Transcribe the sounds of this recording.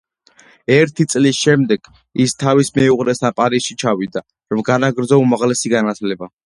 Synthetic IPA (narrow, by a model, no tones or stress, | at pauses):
ɛɾt̪ʰit̪sʼlisʃɛmd̪ɛɡ̥ | ist̪ʰavismɛuʁɾɛsapʼaɾisʃit͡ʃʰawid̪a | ɾvɡanaɡɾd̪zɔumaʁlɛsiɡanat̪ʰlɛba